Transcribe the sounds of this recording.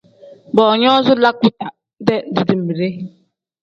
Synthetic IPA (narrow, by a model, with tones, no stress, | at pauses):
bɔ˨ɲ˦ɔ˦zʊ˦la˦kʷʊ˦ta˨˦ | de˦di˨di˨m̩˨mi˨ɾe˦